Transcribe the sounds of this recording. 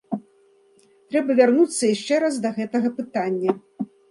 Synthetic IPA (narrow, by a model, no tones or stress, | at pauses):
t̪ɾɛbɐvʲarnut̪sːɐjaʂt͡ʂɛɾasd̪ɐɣɛt̪ɐɣɐpɨt̪anʲːɐ